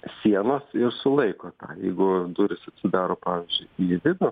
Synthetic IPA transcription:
sʲiɛnoːsɪrsʊlˠɐɪkoːt̪ɑ̰ːjɛɪɡʊd̪ʊɾʲɪsɐt̪ʲsʲɪd̪ɑːɾoːpɑːʋʲɪzʲd͡ʒʲʊɪiʋʲɪd̪o

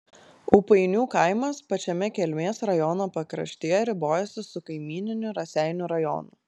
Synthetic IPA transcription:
uːpɐɪnʲuːkɐˑɪmɐspɐt͡ʃʲɛmʲɛkʲɛlʲmʲeːsɾɐjɔnɐpɐkɾɐ̰ʃʲt̪ʲeːjɛɾʲɪboːjɛsʲɪsʊkɐɪmʲiːnʲɪnʲʊɾɐsʲæˑɪnʲʊɾɐjɔ̰ːnṵː

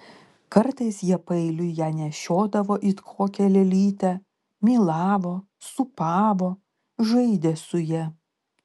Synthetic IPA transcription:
kɐɾt̪ɐɪsjiɛpɐɪlʲʊjæːnʲɛʃʲoːd̪ɐʋoːʔɪt̪kʰoːkʲɛlʲɛlʲiːt̪ʲæ | mʲiːlˠɑːʋoː | sʊpɑːʋoː | ʒɐɪd̪ʲeːsʊjɛ

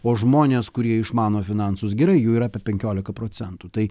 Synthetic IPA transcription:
oːʒmoːnʲeːskʊɾʲiɛɪʃmɑːnoːfʲɪnɑnsʊsɡʲɛɾɐɪjuːiːɾɐpʲɛpʲɛŋʲkʲoːlʲɪkɐpɾoːsʲɛnt̪uːt̪ɐɪ

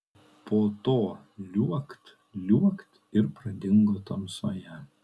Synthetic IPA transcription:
pʰoːt̪oː | lʲuɔkt̪ | lʲuɔkt̪ | ɪɾpɾɐd̪ʲɪŋɡoːt̪ɐmsoːjɛ

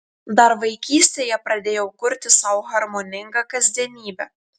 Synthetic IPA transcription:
d̪ɐɾʋɐɪkʲiːsʲt̪ʲeːjɛpɾɐd̪ʲeːjɛʊkʊɾʲt̪ʲɪsɑːwɣɐɾmonʲɪŋɡɑkɐzʲd̪ʲiɛnʲiːbʲɛ

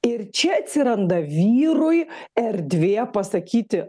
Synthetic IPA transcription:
ɪɾt͡ʃʲɛɐt̪ʲsʲɪɾɐnd̪ɐʋʲiːɾʊjɛɾʲd̪ʲʋʲeːpɐsɐkʲiːt̪ʲɪ

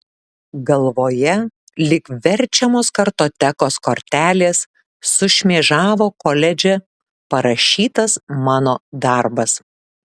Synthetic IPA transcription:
ɡɐlˠʋoːjɛ | lʲɪkʋʲɛɾʲt͡ʃʲɛmoːskɐɾt̪oːt̪ʲɛkoːskoɾʲt̪ʲæːlʲeːsː | ʊʃʲmʲeːʒɑːʋoːkoːlʲɛd͡ʒʲɛ | pɐɾɐʃʲiːt̪ɐsmɑːnoːd̪ɑˑɾbɐs

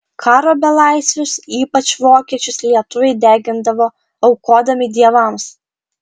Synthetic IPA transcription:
kʰɑːɾoːbʲɛlˠɑɪsʲʋʲʊsiːpɐt͡ʃʋoːkʲiɛt͡ʃʲʊslʲiɛt̪ʊʋʲɛɪd̪ʲæːɡʲɪnd̪ɐʋoː | ɐʊkoːd̪ɐmʲɪd̪ʲiɛʋɐˑms

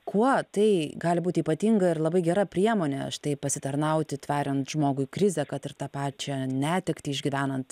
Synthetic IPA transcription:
kʰuɔt̪ɐɪɡɑːlʲɪbuːtʲɪiːpɐt̪ʲiŋɡɐɪrlˠɐbɐɪɡʲɛɾɐpʲɾʲiɛmoːnʲɛ̰ʃt̪ɐɪpɐsʲɪt̪ɐɾnɐʊt̪ʲɪt̪ʲʋʲɑːɾʲɛnt̪ʒ̥moːɡʊɪkɾʲɪzʲɛkɐt̪ɪɾt̪ɑpɑːt͡ʃʲɛnʲæːt̪ʲɪkt̪ʲɪɪʒʲɡʲiʋʲæːnɐnt̪

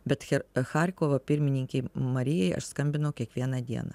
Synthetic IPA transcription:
bʲɛt̪xʲɛxɑɾʲkoːʋopʲɪɾʲmʲɪnʲɪŋʲkʲɛɪmɐɾʲɪjɛɪʔɐ̰ʃskɐmʲbʲɪnɐʊkʲiɛkʋʲiɛnɐd̪ʲḭɛ̰nɐ̰ː

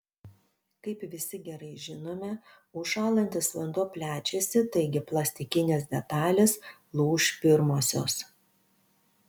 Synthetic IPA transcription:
kɐɪpʋʲɪsʲɪɡʲɛɾɐɪʒʲɪnoːmʲɛ | ʊʃɑːlˠɐnʲt̪ʲɪsʲʋʲɛnd̪oːpʲlʲæːt͡ʃʲesʲɪt̪ɐɪɡʲɪplˠɐsʲt̪ʲɪkʲɪnʲɛsd̪ʲɛt̪ɑːlʲeslˠuːʃpʲɪɾmoːsʲo̰ːs

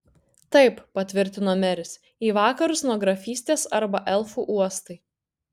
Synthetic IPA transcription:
t̪ɐɪppɐt̪ʲʋʲɪɾʲt̪ʲɪnoːmʲɛɾʲɪs | iːʋɑːkɐɾʊsnuɔɡɾɐfʲiːsʲt̪ʲeːsɐɾbɐʔɛlˠfuːʔuɔst̪ɐɪ

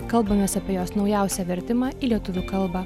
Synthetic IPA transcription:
kɐlˠbɐmʲeːsɐpʲiɛjoːsnɒʊjæˑʊsʲɛʋʲɛɾʲt̪ʲɪmɑːiːlʲiɛt̪ʊʋʲuːkɐlˠbɑː

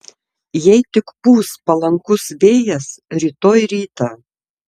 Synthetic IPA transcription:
jɛɪt̪ʲɪkpuːspɐlˠɐŋkʊsʋʲeːjɛsɾʲiːt̪oːjɾʲiːt̪ɑː

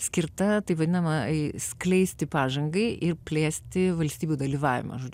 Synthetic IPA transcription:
sʲkʲɪɾt̪ɐt̪ɐɪpʋɐd̪ʲɪnɐmɐsʲklʲɛɪsʲt̪ʲɪpɑːʒɐŋɡɐɪʔɪɾpʲlʲeːsʲt̪ʲɪʋɐlʲst̪ʲiːbʲuːd̪ɐlʲiːʋɑːʋʲɪ̰mɐ̰ʒoːd͡ʒʲ

